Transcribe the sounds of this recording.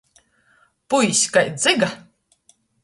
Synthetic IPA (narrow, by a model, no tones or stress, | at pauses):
pujsʲkajd̪zɨɡa